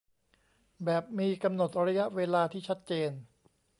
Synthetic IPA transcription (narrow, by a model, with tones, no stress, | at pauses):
bɛː˨˩p̚miː˧ka˧mno˨˩t̪̚ɾa˧˦˥ja˦˥ʔweː˧laː˧t̪ʰiː˥˩t͡ɕʰa˦˥t̪̚t͡ɕeː˧n